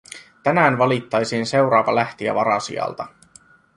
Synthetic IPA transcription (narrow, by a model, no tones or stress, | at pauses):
t̪ænæːnʋɑlit̪ːɑjsiːnse̞wɾɑːʋɑlæht̪iæ̰ʋɑɾɑsḭɑ̰lt̪ɑ